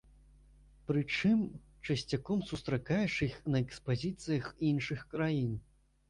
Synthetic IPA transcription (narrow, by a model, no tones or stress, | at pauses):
pɾɨt͡ʂɨm | t͡ʂɐsʲt͡sʲakɔmsust̪ɾakajɛʂɨxnɐɛkspazʲit̪sɨjɐxinʂɨxkɾajin